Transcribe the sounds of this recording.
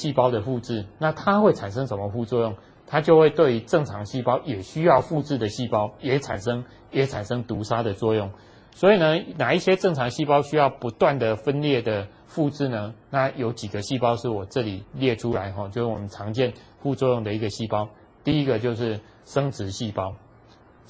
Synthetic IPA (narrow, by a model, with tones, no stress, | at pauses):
ɕi˥˩pɑ˥ʊd̪ə˨fu˥˧t͡sɻ̩˥˩na˥˨t̪ʰa˦xwe˥˩t͡sʰa˨˩nʂ̬ə˦˥ŋʂə˧˦nmə˧fu˥˧t͡swɔ˥˧jʊ˥˩ŋ | t̪ʰa˦t͡ɕjo˥˧ʊxwe˥˧ɪt̪we˥˩ɪy˧˥ʈ͡ʂɤ˥˩ŋʈ͡ʂʰɑ˧˥ŋɕi˥˩pɑ˦˥ʊjɛ˨˩ɕy˦˥jɑ˥˧ʊfu˥˧t͡sɻ̩˥˩d̪ə˩ɕi˥˨˩pɑ˥ʊjɛ˨˦t͡sʰa̰˨˩nʂɤ˦ŋ | jɛ˨˦t͡sʰa˨˩nʂɤ˦ŋt̪u˨˧˥sa˥d̪ə˨t͡swɔ˥˧jʊ˥˩ŋ | swɔ˧˦˥i˨˩nə˦na˨˩i˥˩ɕjɛ˦˥ʈ͡ʂɤ˥˩ŋt͡sʰɑ˧˥ŋɕi˥˧pɑ˥ʊɕy˥jɑ˥˩ʊpu˨˦˥t̪wa˥˨nd̪ə˩fə˦nljɛ˥˩d̪ə˩ | fu˥˧t͡s̩˥˩nə˧˦na˥˩jo˨˦ʊt͡ɕi˨˩ɡə˨ɕi˥˨pɑ˥ʊʂɻ̩˥˩wɔ˨˩ʈ͡ʂɤ˥˩li˨˩ljɛ˥˨ʈ͡ʂʰu˦la˧˦ɪxɔ˥˨t͡ɕjo˥˧ʊʂ̩˥˩wɔ̰˨˩mə˦nʈ͡ʂʰɑ˧˦ŋt͡ɕjɛ˥˧˨n | ɸu˥˧t͡swɔ˥˧jʊ˥˩ŋd̪ə˩i˧˥ɡə˨ɕi˥˩pɑ˦ʊ | t̪i˥˩i˦˥ɡə˨t͡ɕjo˥˧ʊʂɻ̩˥˩ | ʂə˥ŋt͡sɻ̩˧˦ɕi˥˩pɑ˦˥ʊ